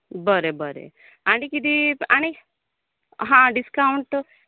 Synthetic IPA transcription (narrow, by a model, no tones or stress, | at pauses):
bəɾebəɾḛ | aɽ̃ikid̪iaɽ̃i | ɦãɖiskawɳʈ